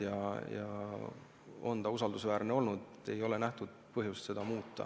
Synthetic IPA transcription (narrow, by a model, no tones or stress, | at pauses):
jɑjɑ̰ | o̞̰nt̪ɑusɑld̪usvæːrneo̞lnud̪̥ | e̞jo̞lenæht̪ud̪̥̚pɤɦjust̪se̞d̪̥ɑmuːt̪ˑːɑ̰